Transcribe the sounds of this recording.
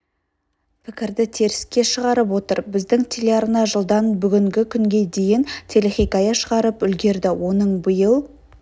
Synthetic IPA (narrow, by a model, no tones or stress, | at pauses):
pʰɪkʲɪɾd̪ɪt̪ʰe̞ɾɪskʲe̞ʃəʁɑɾəp̬wo̞t̪əɾbɪzd̪ɪŋt̪ʲʰelʲeaɾnɑʒəlˠd̪ɑnbʏɡʲɪŋɡʲɪkʲʰʏŋɡʲe̞d̪e̞jɪnt̪ʰe̞leχijkɑjɑʃəʁɑɾəpʏlɡʲe̞ɾd̪ɪwo̞nəɴbəjəlˠ